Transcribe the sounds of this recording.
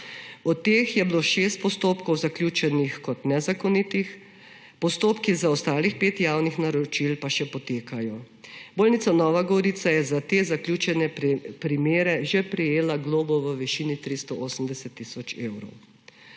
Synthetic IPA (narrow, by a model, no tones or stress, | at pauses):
ɔt̪ːeːxjɛbloʃeːst̪̚pɔst̪oːpkɔwzaklʲjuːt͡ʃɛnixkɔt̪nɛzakɔnit̪ix | pɔst̪oːpkizaɔst̪aːlixpeːt̪jawnixnaɾɔt͡ʃilpaʃɛpɔt̪eːkajɔ | boːlnit̪sanɔːʋaɡɔɾit̪sajɛzat̪eːzaklʲjuːt͡ʃɛnɛpɾimeːɾɛʒepɾɛjeːlaɡloːbɔʋəʋɛʃiːnit̪ɾist̪ɔʔoːsəm̩d̪ɛsɛt̪ːisɔt͡ʃeːwɾɔ̰w